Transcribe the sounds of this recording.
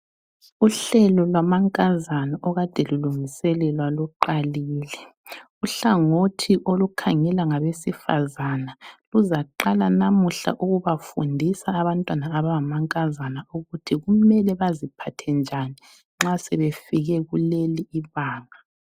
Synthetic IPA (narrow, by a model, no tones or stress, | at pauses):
uɬɛlɔlwamaŋkʼazanaʔɔɣad̥ʼʱeluluŋisɛlɛlwaluǃaliːlɛ | uɬaŋotʰiʔolukʰaŋɛlaŋaβesifa̰zanaluzaǃalanamuɬa̰ʔuɣuβafundʱisaːβantʼwanaːβaŋamaŋkʼazanauɣutʰiɣumɛlɛβazipʰatʰɛnd͡ʒʱani | ŋ͡ǁasɛβefiɣɛɣuleliːβaːŋa